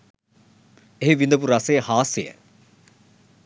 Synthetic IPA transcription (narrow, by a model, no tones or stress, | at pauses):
eɦiʋind̪əp̬uɾɐsejəhaːsijə̰